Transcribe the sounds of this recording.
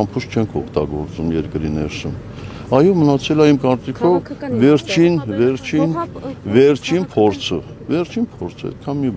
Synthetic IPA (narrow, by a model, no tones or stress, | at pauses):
ɑmpʰuʃt͡ʃʰɛŋkʰɔkʰt̪ɑ̰ɡɔ̰ɾt͡sumjɛɾkəɾinɛɾsəm | ɑjɔmənɑt͡sʰɛlɑimkɑɾt͡sikʰɔvːɛɾt͡ʃʰinvɛɾt͡ʃʰinvɛɾt͡ʃʰinpʰɔɾt͡sʰə | vɛɾt͡ʃʰinpʰɔɾt͡sʰəɛ̰t̪̚kʰɑnmib